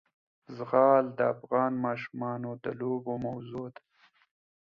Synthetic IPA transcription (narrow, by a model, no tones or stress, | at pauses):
zɣɑːld̪əafɣɑːnmɑːʃumɑːnod̪əlobomawzod̪a